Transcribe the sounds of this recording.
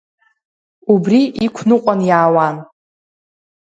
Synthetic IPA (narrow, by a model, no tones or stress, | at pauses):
ubriʔikʷʰnɨqʷʼanjaːwan